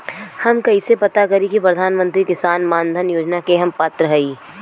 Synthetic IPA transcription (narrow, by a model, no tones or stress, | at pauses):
hɐmkɐisepɐt̪akɐɾikipɾɐd̪ʱaːnmə̃nt̪ɾikɪsaːnmaːnd̪ʱənjoːd͡ʒnakeɦɐmpaːt̪ɾəɦɐiː